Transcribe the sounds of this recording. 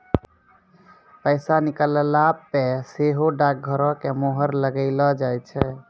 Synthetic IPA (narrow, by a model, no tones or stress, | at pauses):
pəɪsanikələlabːeseɦoɖak̚ɡʱəɾɔ̃kemoɦəɾləɡəɪlɔd͡ʒajt͡ʃʰɛ